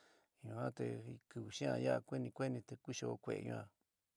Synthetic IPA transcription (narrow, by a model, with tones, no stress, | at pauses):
ɲũ˧hã˦t̪e˧kɨ˧βu˨ʃĩ˦ã̰˧ja˦a˧kʷe˦nĩ˧kʷe˦nĩ˧t̪e˧ku˦ʃo˧o˧kʷe˧˨ḛ˨˧ɲṵ̃˧ã˧˨